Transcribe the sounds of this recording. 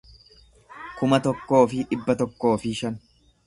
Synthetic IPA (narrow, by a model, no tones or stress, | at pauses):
kʊmɐt̪ɔkːo̞ːfɪᶑɪbːɐt̪ɔkːo̞ːfɪʃɐn